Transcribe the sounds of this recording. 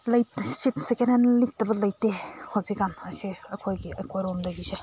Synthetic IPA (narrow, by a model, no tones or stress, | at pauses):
lɐjtsitsekenenlik̚tɐbɐlɐjtehoziɡanɐsiɐkʰojɡiʔɐkʰojɾomdɐɡise